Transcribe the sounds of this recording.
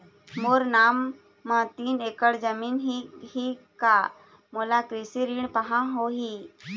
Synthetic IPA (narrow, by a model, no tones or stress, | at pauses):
moːɾnaːmː | ət̪iːneːkəɽd͡ʒəmiːnɦihika | moːlakɾisiɾiɳ̃pəɦãɦoɦi